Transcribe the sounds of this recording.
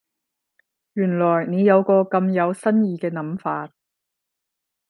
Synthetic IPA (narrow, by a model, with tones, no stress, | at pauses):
jyː˨˩nlɔː˨˩jne˨˧jɐ˨˧wkɔː˧kɐ˧mjɐ˨˧wsɐ˥njiː˧kɛː˧nɐ˨˥mfaː˧t̚